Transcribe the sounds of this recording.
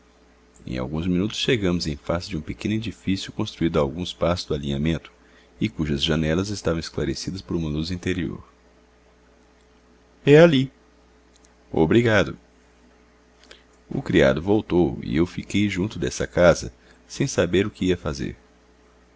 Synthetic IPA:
ḛ̃j̃a̰wɡũzminut̪ʊ̥sʃeɡɐ̃mʊzẽj̃fazɪd͡ʒɪũpekẽnʊed͡ʒifisjʊkõst̪ɾuid̪ʊawɡũspasʊ̥zd̪ʊalĩɲamẽnt̪ʊ̥ | ɪkuʒɐzʒɐnɛlɐzɪst̪avɐ̃w̃ɪsklaɾesid̪ɐspoɾũmɐluzĩnt̪eɾio̰ɾ | ɛali | o̰bɾiɡad̪ʊ | ʊ̰kɾia̰d̪ʊvowt̪owḭewfikejʒũnt̪ʊd̪ɛsɐkazɐ̰ | sẽj̃sabeɾʊkɪiɐfazḛɾ

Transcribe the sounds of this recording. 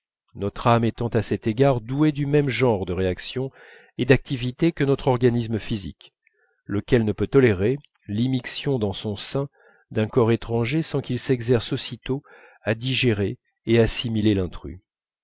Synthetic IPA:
nɔt̪χamet̪ɑ̃t̪asɛt̪eɡaʁd̪ued̪ymɛmʒɑ̃ʁd̪əʁeaksjɔ̃ | ed̪ak̚t̪ivit̪ekənɔt̪χɔʁɡanisməfizḭk | ləkʲɛlnəpøt̪ɔleʁe | limiksjɔ̃d̪ɑ̃sɔ̃sɛ̃ | d̪ɛ̃kɔʁet̪χɑ̃ʒesɑ̃kilsɛɡzɛʁsosit̪o | ad̪iʒeʁeː | asimilelɛ̃t̪χy̰

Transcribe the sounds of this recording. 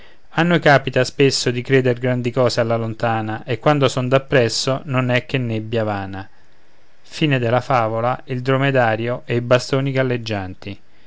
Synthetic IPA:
anːokaːpit̪aspesːod̪ikɾeːd̪erɡɾand̪ikɔːsealːalont̪aːnaʔekːwand̪osond̪apːɾɛsːononɛk̟ːenːebːjavaːna | fiːned̪elafaːvolaild̪ɾomed̪aːɾjoʔeibast̪oːniɡalːed͡ʒːant̪i

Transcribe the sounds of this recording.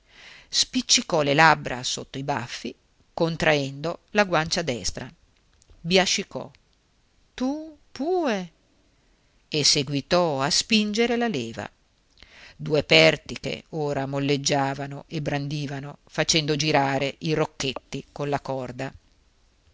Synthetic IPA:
spit͡ʃːikɔlelabːɾa̰sot̪ːoiba̰fːi | kont̪ɾʔaɛnd̪olaɡwant͡ʃad̪ɛst̪ɾa̰ | bjat͡ʃːikɔ̰ | t̪upuːe | esːeɡwit̪ɔaspind͡ʒeɾelaleːva̰ | d̪uːepɛrt̪ikḛoːɾamolːed͡ʒːaːvanoʔebːɾand̪iːvanofat͡ʃɛnd̪od͡ʒiɾaːɾeʔirokːet̪ːikonlakɔrd̪a

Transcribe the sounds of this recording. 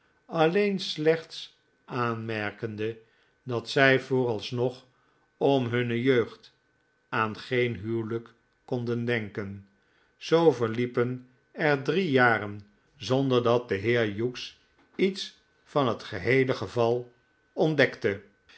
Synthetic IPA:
ɑlejnslɛχts | ʔaːnmɛɹkəndə | dɑtsɛjvʊːɾɑlˠsnɔχ | ɔmɦɵnəjøɥχt | aːnχejnɦywləkː | ɔndəndɛŋkən | z̥owvəɹlipən | ɛɹdrijaːrən | zɔndəɹdɑt̚dəɦɪːɹjuks | its | fɑnɦətχəɦejləχəvɑlˠ | ɔndɛktə

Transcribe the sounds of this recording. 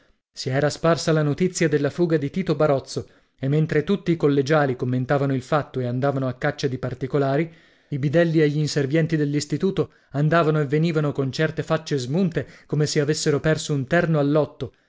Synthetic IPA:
siɛːɾasparsalanot̪it̪sːjad̪elːafuːɡad̪it̪iːt̪obaɾɔt̪sːo | emːent̪ɾet̪ut̪ːiːkolːed͡ʒaːlikomːent̪aːvanoilfat̪ːoeand̪aːvanoakːat͡ʃːad̪ipart̪ikolaːɾi | ibid̪ɛlːieʎːiːnservjɛnt̪id̪elːist̪it̪uːt̪o | and̪aːvanoevːeniːvanokont͡ʃɛrt̪efat͡ʃːezmunt̪ekomeseavesːeɾopɛrsount̪ɛrnoalːɔt̪ːo

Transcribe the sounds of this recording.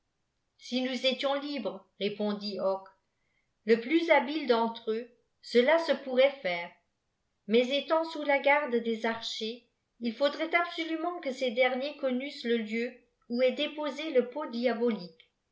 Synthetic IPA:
sinuzet̪jɔ̃libʁə | ʁepɔ̃d̪iɔk | ləplyzabild̪ɑ̃t̪χø | səlasəpuʁɛfɛːʁ | mɛzet̪ɑ̃sulaɡaʁd̪d̪ezaʁʃe | ilfod̪ʁɛt̪absolymɑ̃kəsed̪ɛʁnjekɔnysləljø | uɛd̪epozeləpod̪jabɔlik

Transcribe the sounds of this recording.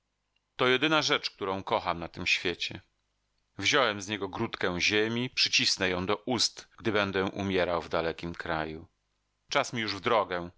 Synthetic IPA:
t̪ɔjɛd̪ɘnaʐɛt͡ʂk̚t̪uɾɔ̃w̃kɔxamnat̪ɘmɕfʲjet͡ɕɛ | vʑɔwɛmzɲɛɡɔɡɾut̪kɛ̃w̃ʑemʲipʂɘt͡ɕisnɛjɔ̃w̃d̪ɔʔust̪ɡd̪ɘbɛnd̪ɛʔṵmʲjɛɾawvd̪alɛkʲimkɾaju | t͡ʂasmʲijuʐvd̪ɾɔɡɛ

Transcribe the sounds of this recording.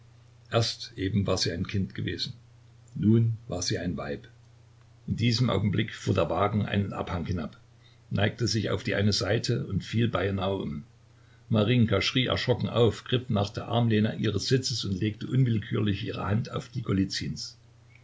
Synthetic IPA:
ʔeːɐstʔeːbm̩vaːɐziːaɪnkʰɪntɡ̥əveːzn̩ | nuːnvaːɐziːaɪnva̰ɪp | ʔɪndiːzəmʔa̰ʊɡŋ̩blɪkfuːɐdeːɐvaːɡŋ̩ʔa̰ɪnənʔa̰phaŋhɪnap | naɪk̚təzɪça̰ʊfd̥iːʔa̰ɪnəzaɪtʰəʊntfiːlbaɪənaʊʊ̰m | maʁɪŋkaʃʁ̥iːʔɛ̰ɐʃʁ̥ɔkŋ̩ʔa̰ʊfɡ̥ʁɪfnaːχd̥eːɐʔa̰ɐmleːnɐ̰ʔiːʁəsz̥ɪt͡səsʊntleːk̚təʔʊnvɪlkʰyːɐlɪçʔiːʁ̞ə̰hantʰa̰ʊfd̥iːɡolit͡sins

